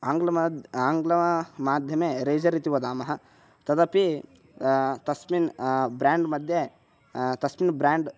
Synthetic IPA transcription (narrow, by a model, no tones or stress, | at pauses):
aːŋɡlɐaːŋɡlɐmaːd̪ʱjɐmeːɾeːd͡ʒɐɾit̪iʋɐd̪aːmɐɦɐ̆ | t̪ɐd̪ɐpi | t̪ɐsminbɾaːɳɖmɐd̪ʱje | t̪ɐsminbɾaːɳɖ